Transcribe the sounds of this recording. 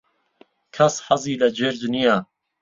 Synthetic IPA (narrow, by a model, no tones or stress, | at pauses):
kʰɐsħɐziːlɐd͡ʒeːɾd͡ʒnija